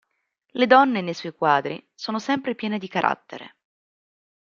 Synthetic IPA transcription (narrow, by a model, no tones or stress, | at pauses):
led̪ɔnːenejsɔjkwaːd̪ɾḭsoːnosɛmpɾepjɛːned̪ikaɾʔa̰t̪ːḛɾḛ